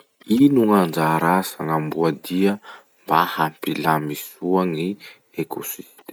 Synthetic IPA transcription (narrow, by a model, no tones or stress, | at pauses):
inuŋand͡ʒaɾasaŋambuad̪iə | mbahampilamisuaŋi | ekusit̪e